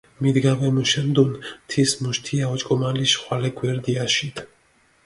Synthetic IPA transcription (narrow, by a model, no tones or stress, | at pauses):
mid̪ɡavɛmuʃɛnd̪unt̪ʰismuʃt̪ʰiaɔt͡ʃʼkʼɔmaliʃχwalɛɡwɛɾd̪iaʃit̪ʰ